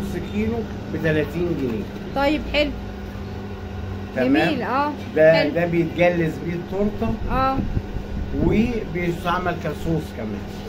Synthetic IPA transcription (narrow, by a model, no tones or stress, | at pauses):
skiːlo | bet̪ælæːt̪iːnɡɪnḛː | t̪ˤɑjːebħelw | t̪æmæːmlʔæː | d̪æd̪æbejet̪̚ɡælːæsbiːt̪ːoɾt̪ˤɑʔæː | webejest̪aʕmælkæsˤoːsˤkæmæ̰ːn